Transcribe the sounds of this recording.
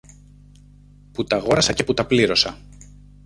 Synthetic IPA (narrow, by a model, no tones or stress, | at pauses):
put̪ɐɣo̞ɾɐsɐce̞put̪ɐpliɾo̞sɐ